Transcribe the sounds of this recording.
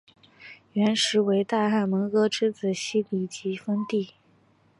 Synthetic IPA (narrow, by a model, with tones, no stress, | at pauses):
ɥɛ˧˥nʂɻ̩˧˥we˧˥ɪt̪a˥˧xa˥˩nmə˧˥ŋkɤ˥ʈ͡ʂʰɻ̩˥t͡sɹ̩˨˩ɕi˥li˨˩t͡ɕi˧˥fə˥ŋt̪i˥˩